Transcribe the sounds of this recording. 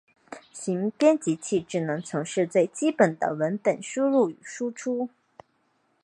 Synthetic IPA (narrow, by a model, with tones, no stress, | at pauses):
ɕi˧˥ŋpjɛ˥nt͡ɕi˧˥t͡ɕʰi˥˩ʈ͡ʂɻ̩˨˩nɤ˧˥ŋt͡sʰʊ˧˥ŋʂɻ̩˥˧t͡swe˥˩ɪt͡ɕi˥pə˨˩nd̪ə̰˦wə˧˥npə˨˩nʂu˥ɻu˥˩y˨˩ʂu˥ʈ͡ʂʰu˥